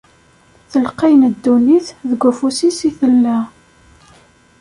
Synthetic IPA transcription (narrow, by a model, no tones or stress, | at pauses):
θəlqijnəd̪ːuniθðəɡʷæfusisiθəlːæ